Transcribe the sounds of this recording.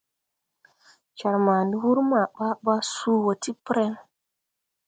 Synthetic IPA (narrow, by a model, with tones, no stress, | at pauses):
t͡ʃa˨ɾma˨ndi˦wu˦ɾma˨ɓa˦ɓa˦su˦wo˨ti˦pɾe˦n